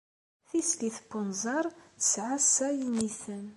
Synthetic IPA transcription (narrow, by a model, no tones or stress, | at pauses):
θiskiθbʊnzɑɾˤθə̥sʕasːæjənːiθən